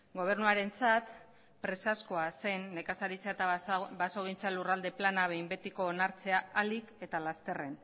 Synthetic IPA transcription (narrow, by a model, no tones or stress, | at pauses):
ɡo̞β̞e̞rnuaɾe̞nt͡sat̪ | pɾe̞sasko̞ase̞nːe̞kasaɾit͡seaet̪abaso̞ɣ̞int͡salurald̪e̞planaβ̞e̞jmbe̞t̪iko̞ːnaɾt͡se̞aalike̞t̪alast̪e̞re̞n